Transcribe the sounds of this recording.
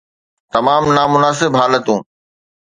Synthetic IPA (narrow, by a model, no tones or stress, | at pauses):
t̪ɐmaːmnamʊnaːsɪbɦaːlət̪ũː